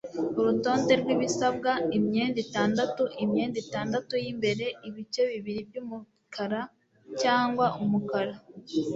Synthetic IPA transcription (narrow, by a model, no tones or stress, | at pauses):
uɾuto̞ːnde̞ɾɡwiβisab̚ɡaimɲe̞ːnditaːndatuʔimɲeːnditaːndatujimbe̞ɾe̞ʔiβit͡ʃe̞βiβiɾib̚ɟumu | kʰaɾa | caːŋɡwaʔumukaɾa